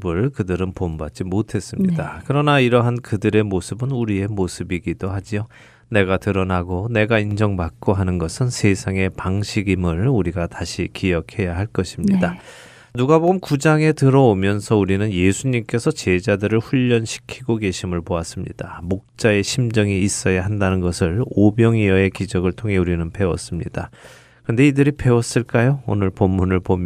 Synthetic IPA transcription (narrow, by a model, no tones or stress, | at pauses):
bɯɭkɯdɯɾɯnpombat͡ɕ͈imotʰe̞s͈ɯmɲidakɯɾʌnaiɾʌɦankɯdɯɾe̞mosʰɯbɯnuɾie̞mosʰɯbiɡidohad͡ʑio | ne̞ɡatɯɾʌnaɡone̞ɡaind͡ʑʌŋbak̚k͈oɦanɯnɡʌsʰɯnsʰe̞sʰaŋe̞paŋɕʰiɡimɯɭuɾiɡataɕʰikijʌkʰe̞jaɦaɭk͈ʌɕʰimɲida | nuɡaboɡɯmkud͡ʑaŋe̞tɯɾʌomjʌnsʰʌuɾinɯnje̞sʰuɲimk͈e̞sʰʌt͡ɕe̞d͡ʑadɯɾɯɭɸuʎːʌnɕʰi̥kʰiɡoɡe̞ɕʰimɯɭpoas͈ɯmɲḭd̥amok̚t͡ɕ͈ae̞ɕʰimd͡ʑʌŋiːs͈ʌjaɦandanɯnɡʌsʰɯɭobjʌŋiʌe̞kid͡ʑʌɡɯɭtʰoŋɦe̞uɾinɯnpe̞wʌs͈ɯmɲḭd̥a | kɯɾʌnde̞idɯɾipʰe̞wʌs͈ɯɭk͈ajoo̰nɯɭpomːunɯɭpom